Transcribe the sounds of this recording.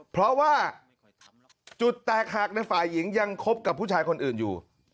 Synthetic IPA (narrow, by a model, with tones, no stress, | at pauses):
pʰɾɔ˦˥waː˥˩ | t͡ɕu˨˩t̪ːɛː˨˩k̚ha˨˩k̚na˧jfaː˨˩jːi˩˦ŋja˧ŋkʰo˦˥p̚ka˨˩p̚ʰːuː˥˩t͡ɕʰaː˧jkʰo˧nʔɯː˨˩njṵː˨˩